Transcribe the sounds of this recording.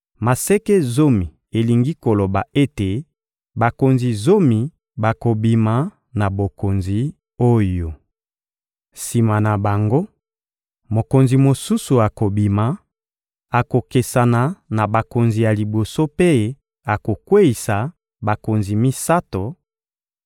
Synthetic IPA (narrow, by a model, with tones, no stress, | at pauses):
ma˨se˦ke˦zo˦mi˨ | e˨li˨ŋɡi˦ko˨lo˨ba˨e˦te˨ | ba˨ko˨nzi˨zo˦mi˨ | ba˨ko˨bi˨ma˨˦ | na˨bo˨ko˨nzi˨ | o˦jo˨ | si˨ma˨na˨ba˨ŋɡo˦ | mo˨ko˨nzi˨mo˨su˦su˨a˨ko˨bi˨ma˨ | a˨ko˨ke˨sa˨na˨na˨ba˨ko˨nzi˨ja˨li˨bo˨so˦pe˦ | a˨ko˨kwe˦i˨sa˨ | ba˨ko˨nzi˨mi˦sa˦to˨